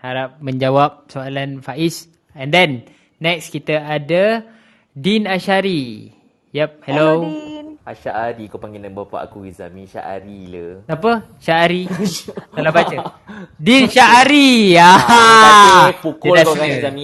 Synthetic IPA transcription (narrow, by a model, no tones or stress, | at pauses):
haɾap̚mə̃ɲd͡ʒawap̚soalanfaʔis | ɛndɛnː | ɛkskit̪əadə | dinaʃaɾi | jɛp̚hɛlo | aʃaʔaɾikopaŋɡinɛŋbapa̰ʔa̰kuiza̰miʃa̰ʔa̰ɾiləsapə | ʃaaɾitalabat͡ʃə | dinʃaaɾia | pukɔdaɡaiami